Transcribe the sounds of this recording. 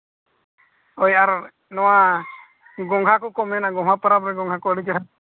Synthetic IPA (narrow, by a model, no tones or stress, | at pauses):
ɔjaɾ | nɔwa | ɡɔŋɡʱakɔkɔmɛnaɡɔmɦapɔɾabɾɛɡɔŋɡʱakɔəɽikɛʈʰa